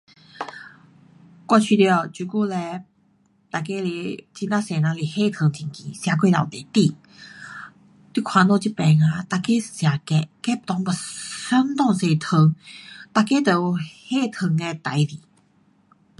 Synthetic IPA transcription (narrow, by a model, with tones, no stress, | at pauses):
kwa˧t͡ɕʰi˧t̪jɔ˧˩t͡ɕu˧˩ku˥˧˨lɛ˧ | t̪a˨ke˧˦li˧˩t͡ɕi˧nã˦se˨˩nã˧li˨˩he˥˧˨t̪ʰə˧ŋt̪ʰi˧˨˩ŋki˧˨sja˧kwe˥˧˨la̰˨˩ŋt̪e˨t̪i˧ | t̪i˥˧˩kʰwã˧˨no˥˧t͡ɕi˧˦pɛ˨˩ŋa˧t̪a˨ke˥˦˨sja˨kɛ˧kɛ˦˨t̪ɔ˧ŋbɔ˨˩sə˧˥nt̪ɔ˥˧ŋse˨˧t̪ʰə˧ŋt̪a˨ke˦t̪ə˨˩˨he˥˧˨t̪ʰə˧˩ŋe˧t̪a˨˦jli˨